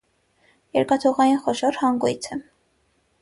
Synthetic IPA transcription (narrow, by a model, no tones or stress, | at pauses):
jɛɾkɑt̪ʰɔʁɑjinχɔʃɔɾhɑŋɡujt͡sʰə